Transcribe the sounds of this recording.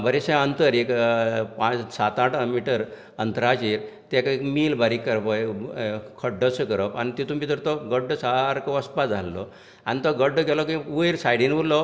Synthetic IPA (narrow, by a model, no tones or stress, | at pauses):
bəɾeɕɛ̃ənt̪əɾekpat͡ssat̪aʈmiʈəɾ | ənt̪ɾat͡ɕiːɾt̪ɛkekmiːlbaɾikːəɾpəj | kʰəɖːəsəkəɾəpanit̪it̪umit̪əɾt̪ɔɡəɖːsaɾkɔʋəspad͡zd͡zʱalːɔ̰ | anit̪ɔɡəɖːɡɛlɔkĩʋujɾsajɽinʋullɔ